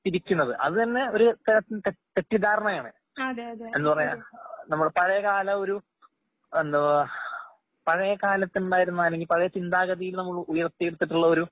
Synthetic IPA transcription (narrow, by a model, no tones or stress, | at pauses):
t̪iɾikʲːunːɐðɨʔɐ̰ðɨt̪ɐnːe̞o̞ɾut̪ɐnɐt̪ːint̪et̪e̞ʈːid̪aːɾɐɳɐjaːɳɨ | ɐðeɐe̞nːupɐrɐjanɐmːuɽepɐɻɐjɐkaːlɐo̞ɾu | end̪ɐ | pɐɻɐjɐkaːlɐt̪ːinuɳɖaːjiɾunːuaːle̞ŋɡilpɐɻɐjɐt͡ɕind̪aːɣɐðijilnɐmːuɭujɐrt̪ːijeɽut̪ːiʈːuɭːɐo̞ɾu